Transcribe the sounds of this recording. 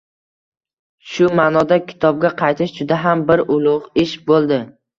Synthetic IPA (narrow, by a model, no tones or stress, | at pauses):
ʃʊmaːnɒd̪akʲʰɪ̥t̪ʰɒb̚ɡʲaqʰɑjt̪ʰɪʃd͡ʒʊd̪aɦambɪɾʔʊlˠʊʁɪʃbolˠd̪ɪ